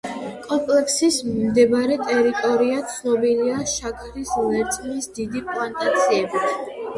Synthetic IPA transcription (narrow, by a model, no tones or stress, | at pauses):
kʼɔmpʼlɛksismd̪ɛbɾɛt̪ʼɛɾit̪ʼɔɾiat̪sʰnɔbiliaʃakʰɾislɛɾt̪sʼmisd̪id̪ipʼlˠant̪ʼat̪sʰiɛbit̪ʰ